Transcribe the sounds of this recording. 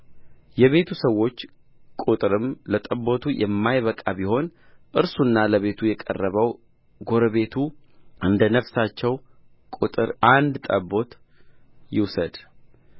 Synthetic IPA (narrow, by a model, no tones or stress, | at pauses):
jɛβe̞t̪ʰusəwːo̞t͡ʃː | kʼut̪ʼɨɾɨmlət̪ʼəbo̞t̪ʰujʔɛmːajβəkʼabiho̞n | ʔɨɾsunːaləβe̞t̪ʰujɛkʼə̰rːəβəw | ɡo̞ɾəβe̞t̪ʰu | ɨnd̪ənəfsat͡ʃːɛw | kʼut̪ʼɨɾʔand̪t̪ʼəbːo̞t̪ | jɪwsəd̪